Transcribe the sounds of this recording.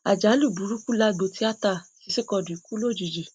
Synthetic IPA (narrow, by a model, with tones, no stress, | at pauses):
a˨d͡ʒa˨˦lu˦˨du˨˦ɾu˦ku˦la˦ɡ͡bo˧˦ti˨˦a˦ta˧˨si˨˧˦si˦kɔ˧˨du˨˦ku˦lo˦˨d͡ʒi˨˧˨d͡ʒi˨